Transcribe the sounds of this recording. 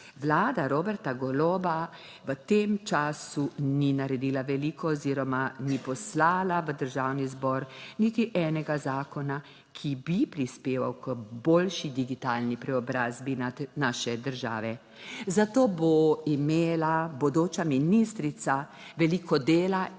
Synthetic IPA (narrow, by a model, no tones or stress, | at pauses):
ʋlaːd̪aɾobɛɾt̪aɡɔloːba | ʋət̪emt͡ʃaːsuninaɾɛd̪iːlaʋɛliːkɔziɾɔmanipɔslaːlaʋəd̪əɾʒaːwnizbɔɾnit̪iʔɛːnɛɡazaːkɔna | kʰibipɾispeːʋa̰wkəboːlʃid̪iɡit̪aːlnipɾɛɔbɾaːzbianaːʃɛd̪əɾʒa̰ːʋɛ | zat̪oːboimeːlabod̪oːt͡ʃaminist̪ɾit̪sa | ʋɛlikɔd̪eːla